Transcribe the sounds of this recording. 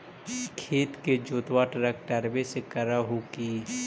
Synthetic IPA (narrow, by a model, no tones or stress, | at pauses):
kʰeːt̪ked͡ʒoːt̪waːʈɾəkʈəɾbesekəɾaɦokiː